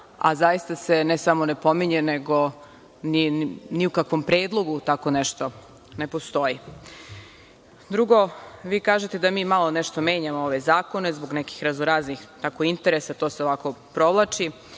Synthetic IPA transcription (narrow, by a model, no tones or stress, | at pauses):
a̰zajist̪ase̞nesamo̞nepo̞miɲeneɡo̞ | niniukakʋo̞mpɾeːd̪lˠo̞ɡut̪ako̞nɛʃt̪o̞ | ne̞post̪o̞ji | d̪ɾuɡo̞ʋiːkaːʒet̪ed̪amiːmalˠo̞neʃt̪ome̞ːɲamooʋe̞zaːko̞ne̞zboɡnɛki̥xɾazoɾaːznixt̪akoint̪eɾesat̪oseoʋako̞pɾo̞ʋlˠat͡ʃi